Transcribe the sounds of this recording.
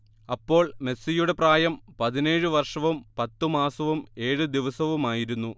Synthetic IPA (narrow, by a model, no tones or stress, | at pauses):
ɐpːo̞ːɭme̞sijuɽe̞praːjɐmpɐðine̞ːɻɨʋɐrʂɐʋumpɐt̪ːumaːsɐʋume̞ːɻɨd̪iʋɐsɐʋumaːjiɾunːu